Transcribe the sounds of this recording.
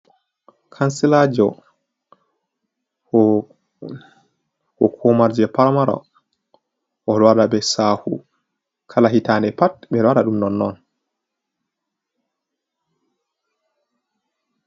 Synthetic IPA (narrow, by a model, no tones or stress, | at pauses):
kʰansɛlad͡ʒɔ | hɔkʰɔmaɾd͡ʒɛpaɾmaɾɔ̰ | ʔɔɗɔwaɗabɛsaːhṵ | kʰalaɦitaːnɛpat̚ɓɛɗɔwaɗaɗumnɔnːɔn